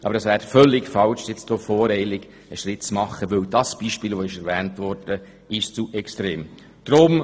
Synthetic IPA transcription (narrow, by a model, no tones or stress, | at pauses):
ʔɑ̰bəɾɛsʋæːɾfœlːɪɡfɑlʃjɛt͡sd̥ofɔːɾɛɪlɪɡ̥ | əʃɾɪtt͡smɑχəʋɵwdɑsb̥iːʃpiːlʋoɪʃɛɾʋɛːntʋɔɾd̥ə | ɪʃt͡suʔɛkstɾeːm | d̥ɾʊm